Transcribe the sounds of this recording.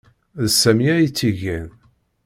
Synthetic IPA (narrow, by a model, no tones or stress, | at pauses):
ðsːæmiæjit͡sːiʝæn